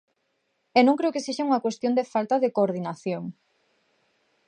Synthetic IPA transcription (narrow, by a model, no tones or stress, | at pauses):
enõŋkɾewkeseʃauŋɐkwest̪jond̪efalt̪ɐðekoɾðinaθjoŋ